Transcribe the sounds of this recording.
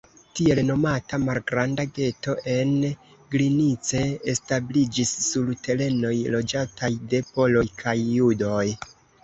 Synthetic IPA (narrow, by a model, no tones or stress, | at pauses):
tie̞lno̞matamalɡɾandaɡe̞to̞ʔe̞n | ɡlinit͡se̞establid͡ʒisːuɾte̞le̞no̞jlo̞d͡ʒatʰajde̞po̞lo̞jkʰajːudo̞j